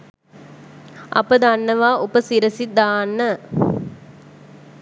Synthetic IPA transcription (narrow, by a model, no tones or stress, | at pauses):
ʔɐ̰pəd̪anːəʋaːʔupəsiɾəsid̪aːnːə